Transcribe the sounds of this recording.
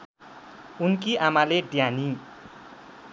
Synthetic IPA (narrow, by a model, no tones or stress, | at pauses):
unkiʔamaleɖjani